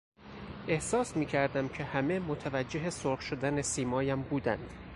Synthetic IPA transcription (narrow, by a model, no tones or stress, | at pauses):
ʔe̞hsɒːsmiːcʰæɾd̪æmcʰe̞hæme̞mot̪ʰævæd͡ʒːe̞ɦesoɾχʃod̪ænesiːmɒːjæmbuːd̪ænd̪̥